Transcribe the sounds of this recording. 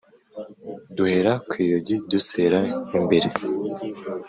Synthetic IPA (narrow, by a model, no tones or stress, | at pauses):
duhe̞ɾakwiːjoɟiduseɾaimbeɾe